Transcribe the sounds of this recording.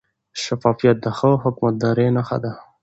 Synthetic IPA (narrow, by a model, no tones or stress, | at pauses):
ʃafɑfijat̪̚d̪əxəɦʊkmat̪̚d̪ɑɾenaxa̰d̪a